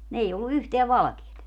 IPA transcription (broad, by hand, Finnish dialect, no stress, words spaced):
ni ei olːu yhteæ ʋɑlɑ̆keːt